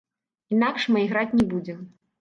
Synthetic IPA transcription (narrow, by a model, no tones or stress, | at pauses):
inakʂmajɣɾat͡sʲnʲɛbud͡zʲɛ